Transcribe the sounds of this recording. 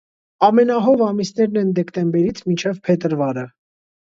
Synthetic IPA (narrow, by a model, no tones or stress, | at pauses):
ɑmɛnɑɦɔvɑmisnɛɾnɛnd̪ɛkt̪ɛmbɛɾit͡sʰmint͡ʃʰɛvpʰɛt̪əɾvɑɾə